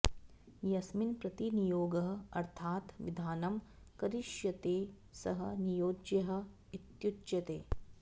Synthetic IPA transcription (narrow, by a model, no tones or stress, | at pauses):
jɐsminpɾɐt̪inijoːɡɐɦɐɐ̰ɾt̪ʰaːt̪ʋḭd̪ʱaːnɐm | kɐɾiʃjɐt̪eː | sɐɦɐ̆nijoːd͡ʒjɐɦɐ̆ | it̪jut͡ʃjɐt̪eː